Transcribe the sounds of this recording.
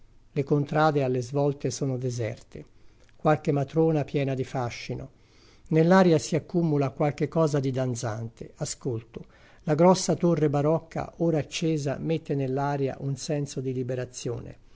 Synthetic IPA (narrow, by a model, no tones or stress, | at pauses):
lekont̪ɾaːd̪ealːezvɔlt̪esɔːnod̪ɛzɛ̰rt̪ḛ | kwalkemat̪ɾoːnapjɛːnad̪ifaʃːino̰ | nelːaːɾjasiakːumulakwalk̟ekːɔːzad̪id̪ant̪sant̪easkolt̪ʊ | laɡɾɔsːat̪orːebaɾɔkʰːa̰oːɾaːt͡ʃːeːza̰met̪ːenelːaːɾja̰ʔunsɛnsod̪ilibeɾat̪sːjo̰ːnḛ